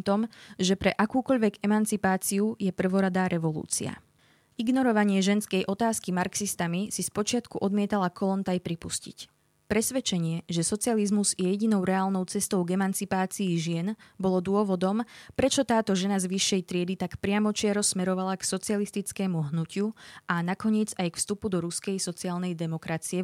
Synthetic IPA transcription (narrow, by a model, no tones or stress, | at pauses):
t̪ɔmʒɛpɾɛʔakuːkɔʎʋɛɡɛmant͡sipaːt͡siujɛpr̩ʋɔɾad̪aːɾɛʋɔlṵːt͡sḭa̰ | iɡnɔɾɔʋaɲɪɛʒɛnskɛjʔɔt̪aːskimaɾksist̪amisispɔt͡ʃɪat̪kuʔɔd̪mɪɛt̪alakɔlɔnt̪ajpɾipuscḭc | pɾɛsʋɛt͡ʃɛɲɪɛʒɛsɔt͡sializmuzjɛjɛɟinɔʊɾɛaːlnɔʊt͡sɛst̪ɔʊɡɛmant͡sipaːt͡siːʒɪɛnbɔlɔd̪ʊɔʋɔd̪ɔmpɾɛt͡ʃɔt̪aːt̪ɔʒɛnazʋiʃːɛjt̪ɾɪɛd̪it̪akpɾɪamɔt͡ʃɪaɾɔsmɛɾɔʋalaksɔt͡sialist̪it͡skɛːmuɦnucɪuʔanakɔɲɪɛd͡zajkfst̪upud̪ɔɾuskɛjsɔt͡siaːlnɛjd̪ɛmɔkɾat͡siɛ